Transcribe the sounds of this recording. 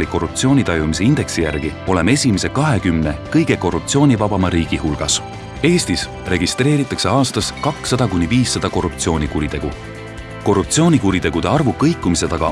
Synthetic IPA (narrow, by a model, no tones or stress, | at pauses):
liko̞rːupt̪sio̞ːnʲit̪ɑjumis̬e̞ind̪e̞ksijæ̰rɡ̥io̞le̞me̞sʲimese̞kɑɦe̞kymne̞kɤjɡ̥e̞ko̞rːup̚t̪sio̞ːnʲivɑb̥ɑmɑɾiːɡ̥ihulɡ̥ɑs | e̞ːst̪is | re̞ɡist̪re̞ːɾit̪ːˑɑkse̞ɑːst̪ɑskɑksːɑd̪̥ɑkunʲːiviːsːɑd̪̥ɑko̞rːup̚t̪sio̞ːnʲikuɾit̪e̞ɡ̥u | ko̞rːup̚t̪sio̞ːnʲikuɾit̪e̞ɡ̥ud̪̥e̞ɑrvukɤjkːˑumise̞t̪ɑɡ̥ɑ̰